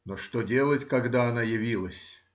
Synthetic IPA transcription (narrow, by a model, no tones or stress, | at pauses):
noʂt̪odʲe̞lˠətʲkɐɡd̪aɐnajɪvʲilˠəsʲ